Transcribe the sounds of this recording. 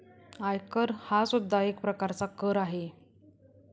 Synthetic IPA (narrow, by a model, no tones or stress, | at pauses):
ajkəɾhasud̪ʱːaek̚pɾəkaɾt͡sakəɾaɦe